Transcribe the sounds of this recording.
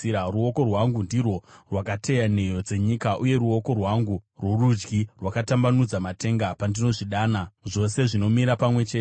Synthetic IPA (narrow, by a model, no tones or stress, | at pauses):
iaruo̞ko̞rwaŋɡundirwo̞rwakatʰe̞jane̞jo̞d͡ze̞ɲikaʔuje̞ɾuo̞ko̞rwaŋɡurworud͡ʒɡirwakatambanud͡zamate̞ŋɡapandino̞ʐiɗaːnaʐo̞se̞ʐino̞miɾapamwe̞t͡ʃe̞ː